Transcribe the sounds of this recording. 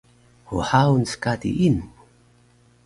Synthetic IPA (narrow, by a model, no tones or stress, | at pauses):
hṵħawnskad̪ḭʔin